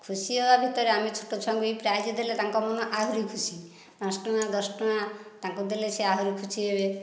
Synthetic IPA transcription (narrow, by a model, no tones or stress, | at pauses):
kʰusiɦebabʱit̪ɔɾeamit͡ʃʰo̥ʈot͡ʃʰɔŋkuepɾad͡ʒid̪elet̪aŋkɔmɔnɔʔaɦuɾikʰusi | ɔ̃sʈɔnad̪ɔsʈɔnat̪aŋkud̪elesʰeaɦuɾikʰusiɦebe